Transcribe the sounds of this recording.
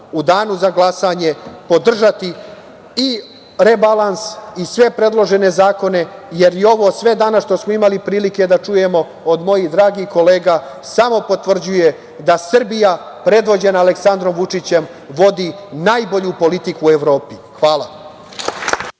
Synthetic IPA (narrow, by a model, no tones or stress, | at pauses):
ud̪aːnuzaɡlˠasaɲe̞po̞d̪r̩ʒat̪i | i | ɾe̞balansisʋe̞pɾe̞d̪lˠo̞ʒe̞ne̞zaːko̞ne̞je̞ɾjeo̞ʋo̞ːsʋe̞d̪anasʃt̪o̞smoimalipɾiːlike̞d̪at͡ʃuje̞mo̞ | od̪mo̞jid̪ɾaːɡiko̞le̞ːɡa | samo̞po̞t̪ʋr̩d͡ʑuje̞ | d̪asr̩bija | pɾe̞d̪ʋo̞d͡ʑe̞naːleksand̪ɾo̞mʋut͡ʂit͡ɕe̞m | ʋo̞d̪inaːjbo̞ʎupo̞lit̪ikueʋɾo̞ːpixʋaːlˠa